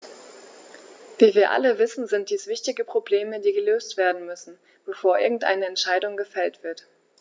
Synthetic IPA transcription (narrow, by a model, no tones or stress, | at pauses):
viːviːɐʔa̰ləvɪsn̩zɪnt̚d̥iːsv̥ɪçtɪɡəpʁ̥obleːmədiːɡəløːstv̥eːɐdn̩mʏsn̩ | b̥əfoːɐʔɪɐɡŋ̩tʔa̰ɪnəɛntʃaɪdʊŋɡəfɛltv̥ɪɐt